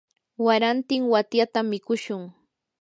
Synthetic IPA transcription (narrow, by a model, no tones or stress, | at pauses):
waɾant̪ɪŋwat̪jat̪amːɪkʊʃʊŋ